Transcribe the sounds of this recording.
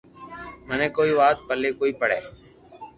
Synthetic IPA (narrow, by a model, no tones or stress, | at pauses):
məneːkoːiːʋaːt̪̚pəlːeːkoːiːpəɽḛː